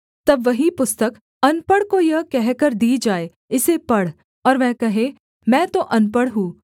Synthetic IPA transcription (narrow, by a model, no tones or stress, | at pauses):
t̪ɐbʋɐɦipʊst̪ək | ɐnpəɽkojɐɦkɛɦkɐɾd̪iːd͡ʒaːe | ɪsepɐɽ̤ | ɔːɾʋɛ̃ːkɐɦẽ | mɛ̃ːt̪oʔɐnpəɽɦũː